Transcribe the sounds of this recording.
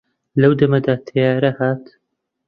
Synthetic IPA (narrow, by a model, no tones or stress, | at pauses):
lɐwd̪ɐmɐd̪aːt̪ʰɐjaːɾɐhaːt̪